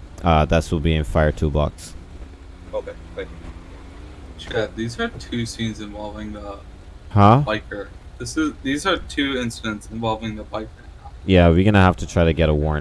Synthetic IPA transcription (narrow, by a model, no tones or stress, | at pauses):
ʔʌðætswəlˠbiɨ̃nfaɪə˞tʰubʌ̰ks | oʊkʰeɪɹaɪ | ʃæðizə˞tʰʉsĩnzɨ̃ɱvɑlˠvɪ̃ŋðə | hʌbaɪkə˞ðɪsɪzðizə˞tʰʉɪ̃nsɨɾɨ̃ntsɨ̃ɱvɑlˠvɪ̃ŋðəbaɪkə˞jæwiɡʌñɨɦæftʰɨtʰɹ̥aɪɾɨɡɛɾəwɔɹ̃